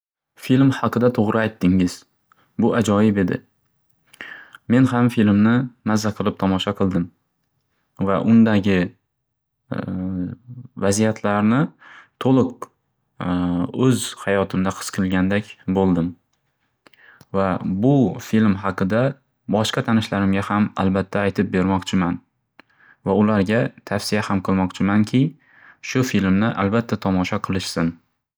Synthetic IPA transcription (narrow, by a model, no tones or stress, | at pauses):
filmhɑqɨd̪at̪ʰoʁɾʔɪajt̪ʰːɪŋɪz | bʊʔad͡ʒɒjɪbe̞d̪ɪ̰ | me̞nhamfilmnɪnazːaqʰɨlˠɪp̚t̪ʰɒmɒʃɑqʰɨlˠd̪ɪm | vaʔʊnd̪aɡʲɪ | vazijat̪ʰlaɾnɪt̪ʰolˠɨq̚ | ɵzhajɒt̪ʰɪmd̪aqʰɨ̥sqʰɨlˠɡʲand̪akʲbolˠd̪ɪm | vabʊfilmɦɑqɨd̪a | bɒʃqɑt̪ʰanɪʃlaɾɪmɡʲahama̰lbat̪ʰːaːjt̪ʰɪp̚be̞ɾmɒqt͡ʃʰɪman | vaʊlaɾɡʲat̪ʰafsɪjahamqʰɨlˠmɒqt͡ʃʰɪmaŋkʲʰɪ | ʃʊfilmnɪʔa̰lbat̪ʰːat̪ʰɒmɒʃɒqʰɨlˠɪʃsɪn